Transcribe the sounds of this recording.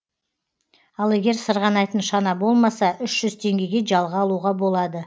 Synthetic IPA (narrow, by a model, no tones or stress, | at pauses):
ɑlˠe̞ɡʲe̞ɾsəɾʁɑnɑjt̪ənʃɑnɑbo̞lˠmɑsɑʔʏʃʒ̥ʏzt̪ʰe̞ŋɡʲe̞ɡʲe̞ʒɑlˠʁɑɑlˠuʁɑbo̞lˠɑd̪ə